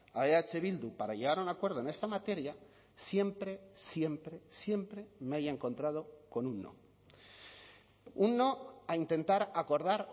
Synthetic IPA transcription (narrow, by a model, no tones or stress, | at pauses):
aeat͡ʃe̞βild̪upaɾaʝe̞ɣ̞aɾunakwe̞ɾðone̞st̪amat̪e̞ɾja | sje̞mpɾe̞sje̞mpɾe̞sje̞mpɾe̞meajaeŋkõ̞nt̪ɾað̞o̞ko̞nunːo̰ | unːo̞aint̪e̞nt̪aɾako̞ɾðaɾ